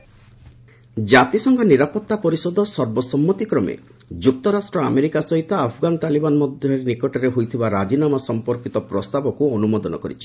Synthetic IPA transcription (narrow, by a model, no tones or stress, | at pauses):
d͡ʒat̪isɔŋɡɔniɾapɔt̪ːapɔɾisɔd̪ɔsɔɾbɔsɔmːut̪ikɾɔmḛ | d͡ʒuk̚t̪ɔɾasʈɾɔa̰meɾikasɔɦit̪ɔapʰɔɡanɔt̪alibanɔmɔd̪ʱjɔɾnikɔʈɔɾeɦojt̪ʰibaɾad͡ʒinamasɔmpɔɾkit̪ɔpɾɔst̪abɔkuɔnumɔd̪ɔnɔkɔɾit͡ʃʰi̥